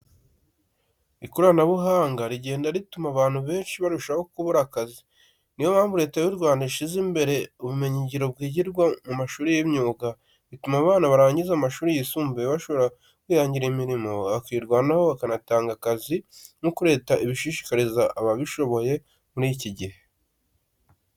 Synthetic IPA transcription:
ikuɾanaβuɦaːŋɡaɾiɟe̞ːndaɾitumaβaːn̥huβe̞ːnʃiβaɾuʃaho̞kuβuɾakazi | niwoβaːmbuɾe̞ːtawiɾɡwaːndaiʃizimbe̞ɾe̞uβume̞ɲiɟiɾo̞bɡiːɟiɾɡwamumaʃuːɾijimɲuːɡa | ɾitumaβaːnaβaɾaːɲɟizamaʃuːɾijisuːmbeβaʃo̞βoɾa | kwiːjaːɲɟiɾimiɾimo̞βakiːɾɡwaːnahoβakanataːŋɡakazimukuɾe̞ːtaiβiʃiʃi̥kaɾizaʔaβaβiʃo̞βo̞je̞ | muɾiciɟihe

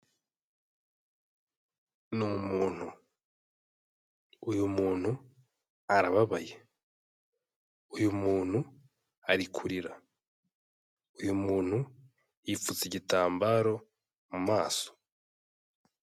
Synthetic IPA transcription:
numumuːn̥hu | jumuːnhu | aɾaβaβaje | ujumuːn̥hu | aɾikʰuɾiɾa | ujumuːn̥hu | jifut͡siɟitaːmbaːɾo̞ | mumaːso̥

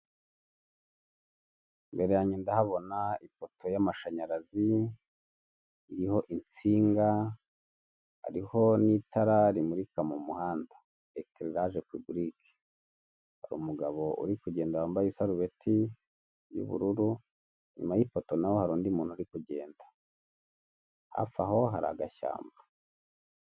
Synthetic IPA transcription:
mbe̞ɾe̞jaɲendahaβo̞naipo̞tʰo̞jamaʃaɲaɾazi | iɾiho̞ʔint͡siːŋɡa | ha̰ɾiho̞nitʰaɾaɾimuɾikamumuhaːndḁ | ekɾeɾaɾepubɾikʰe̥ | haɾṵːmuɡaβo̞ʔṵɾikuɟe̞ːndawaːmbajusaɾuβe̞tʰi | jṵβṵɾuɾu | ɲṵmajipoto̞nawohaɾuːndimuːn̥uɾikuɟe̞ːnda | ha̰fa̰ho̞ɦa̰ɾa̰ɡaʃa̰ːmba

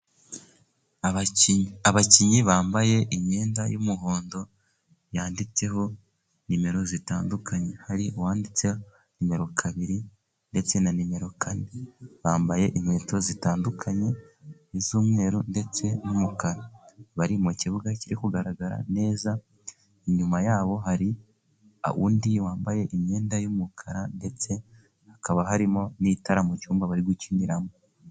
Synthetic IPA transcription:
aβaciɲiβaːmbaje̞ʔiɲɲeːndajumuɦo̞ːndo̞ | jaːndit͡se̞ɦo̞ | nime̞ɾo̞zitaːndukʰaɲe̞haɾiʔuwaːndit͡se | nime̞ɾo̞kʰaβiɾi | nde̞t͡se̞nanime̞ɾo̞kʰaneβaːmbaje̞ʔiɲeːto̞zitaːndukʰaɲe̞izuːmŋe̞ːɾonde̞t͡se̞numukaɾaβaɾimuciβuɡaciɾikuɡaɾaɡaɾa̰ne̞ːza | iɲumajaːβo̞ɦaɾi | a̰wṵːndiwaːmbaje̞ʔimɲe̞ːndajumukʰaɾande̞t͡se̞ | hakaβaɦaɾimo̞niːtaɾamut͡ʃuːmbaβaɾiɡuciniɾamo

